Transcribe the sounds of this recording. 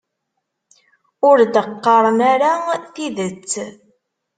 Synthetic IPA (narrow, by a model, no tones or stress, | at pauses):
ʊɾd̪əqːəɾˤnaɾaθiðət͡sː